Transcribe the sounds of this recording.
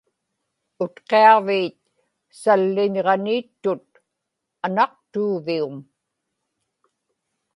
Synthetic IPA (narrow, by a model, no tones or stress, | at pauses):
ʊt̪qeɑviːt̪̚ | salːɪɲʁɑniːt̪ːʊt̪̚ | anɑqt̪uːvium